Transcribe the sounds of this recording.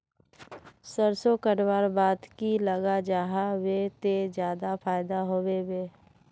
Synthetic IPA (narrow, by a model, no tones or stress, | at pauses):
səɾsokəɾwaːɾbaːt̪kiləɡad͡ʒaːɦawet̪ed͡ʒjaːd̪apʰaːɪd̪aɦoːweweː